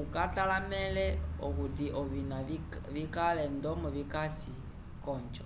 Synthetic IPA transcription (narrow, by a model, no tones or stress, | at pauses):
ukatalamɛlɛɔkutiʔɔvina | βikalɛndɔmɔβikasi | kɔnt͡ʃɔ